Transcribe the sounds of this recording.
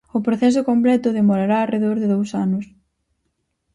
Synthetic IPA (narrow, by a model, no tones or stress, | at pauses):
ʊpɾoθɛs̬ʊkomplɛt̪ʊðemoɾaɾaːreðoɾðɪðowsanʊs